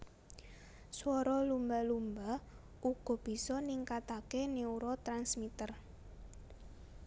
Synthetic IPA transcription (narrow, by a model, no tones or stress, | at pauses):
swɔɾɔlumbalumba | uɡ̥ɔ̤b̥i̤sɔniŋkat̪akeneuɾɔt̪ɾansmit̪ər